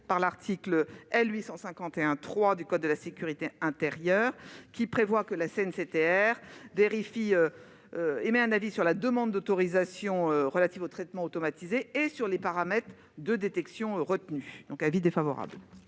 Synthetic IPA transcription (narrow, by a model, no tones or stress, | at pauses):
paʁlaʁt̪ʰikləɛlɥisɑ̃sɛ̃kɑ̃t̪eɛ̃t̪χwad̪ykɔd̪̚ːəlasekʲyʁit̪eɛ̃t̪eʁjœːʁkʲipχevwakəlaseɛnset̪eɛʁveʁifiø | øemɛɛ̃navisyʁlad̪əmɑ̃d̪ːot̪ɔʁizasjɔ̃øʁəlat̪ivot̪χɛt̪mɑ̃ot̪ɔmat̪izeːsyʁlepaʁamɛt̪χ | d̪əd̪et̪ɛksjɔ̃ʁət̪nyd̪ɔ̃kavid̪efavɔ̰ʁa̰bl